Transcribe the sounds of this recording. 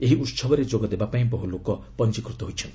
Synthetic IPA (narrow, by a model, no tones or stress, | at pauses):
eɦiʔut̪sɔbɔɾed͡ʒoɡɔd̪ebapaĩbɔɦulokɔ | pɔnt͡ʃikɾut̪ɔɦojt͡ʃʰɔnt̪